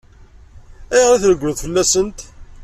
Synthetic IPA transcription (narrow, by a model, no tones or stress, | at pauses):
æjʁɾæθləɡʷːʊðˤfəlːæsənt̪